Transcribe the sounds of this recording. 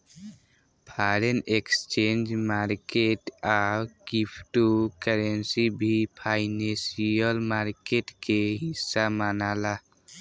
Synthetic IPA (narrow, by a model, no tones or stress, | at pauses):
pʰaɾenekst͡ʃend͡ʒmaɾkeʈakipʰʈukəɾensibʱipʰaɪnesiəlmaɾkeʈkeɦisːamanala